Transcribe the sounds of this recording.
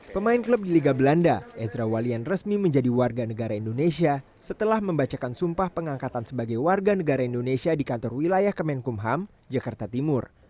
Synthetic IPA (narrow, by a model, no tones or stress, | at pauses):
pəmaɪnkləp̚diliɡabəlandaʔɛsɾawalianrəsmiməɲd͡ʒadiwarɡanəɡaɾaindonesia | sət̪əlahməmbat͡ʃakansumpahpəŋaŋkat̪ansəbaɡajwarɡanəɡaɾaindonesiadikant̪ɔrwilajahkəmɛnkumɦam | d͡ʒakart̪at̪imʊr